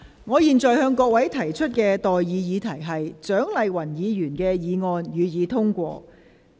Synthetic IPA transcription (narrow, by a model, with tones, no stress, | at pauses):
ŋɔː˨˧jiː˨nt͡sɔː˨jhœː˧ŋkɔː˧k̚wɐ˨˥jt̪ʰɐ˨˩jt͡ʃʰɵ˥t̚kɛː˧t̪ɔː˨jːiː˨˧jiː˨˧t̪ʰɐ˨˩jɦɐ˨jt͡ʃœː˨˥ŋlɐ˨jwɐ˨˩njiː˨˧jyː˨˩nkɛː˧jiː˨˧ŋɔː˧njyː˨˧jiː˨˧t̪ʰʊ˥ŋkʷɔː˧